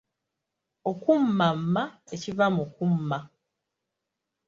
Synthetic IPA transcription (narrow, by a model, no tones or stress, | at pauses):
okumːamːaecivamukumːa